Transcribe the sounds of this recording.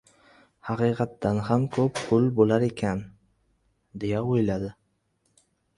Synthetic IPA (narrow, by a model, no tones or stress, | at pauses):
hɑqɨːqʰɑt̪ːanhamkʰɵppʰʊlbolaɾe̞kʲʰan | d̪e̞jaojlad̪ɪ